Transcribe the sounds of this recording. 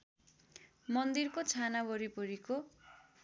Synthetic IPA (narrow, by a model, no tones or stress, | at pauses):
mʌnd̪irkot͡sʰanabʱʌɾipʌɾiko